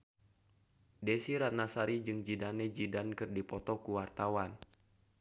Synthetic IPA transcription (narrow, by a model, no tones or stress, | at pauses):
desiɾat̪̚nasaɾid͡ʒɨŋd͡ʒidanɛd͡ʒidankɨrdipɔt̪ɔkuwart̪awan